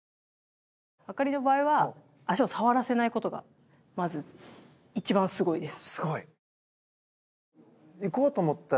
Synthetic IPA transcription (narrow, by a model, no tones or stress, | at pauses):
βakaɾʲino̞baːiβa | aɕio̞saβaɾase̞naiko̞t̪o̞ɡa̰ | mazɨ | it͡ɕibãsɨɡo̞id̪e̞sɨ̥sɨɡoi | iko̞ːt̪oːmot̪ːa